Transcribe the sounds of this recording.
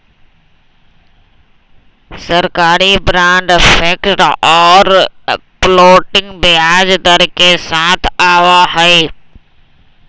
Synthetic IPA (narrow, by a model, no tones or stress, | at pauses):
sɐɾkaːɾibɾãːɳɖfeːkʈɔːɾploːʈɪ̃ŋɡbɪaːd͡ʒd̪əɾkesãːt̪ʰaːʋaɦɐeː